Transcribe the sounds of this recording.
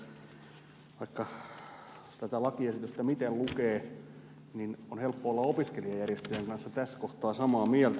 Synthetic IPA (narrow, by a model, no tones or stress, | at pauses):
ʋɑikːɑ | t̪æt̪ælɑkiesit̪yst̪æmit̪ellukeː | ninonhelpːoolːɑopiskeliɑjærjest̪øjæŋkɑnsːɑt̪æskoht̪ɑːsɑmɑːmiælt̪